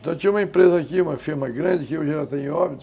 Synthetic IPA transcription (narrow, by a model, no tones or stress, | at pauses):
t̪ɐ̃w̃t̪t͡ʃĩũmɐẽpɾezɐakiũmɐfiɾmɐɡɾɐ̃nd͡ʒɪkɪoʒalat̪ẽj̃ɔbit̪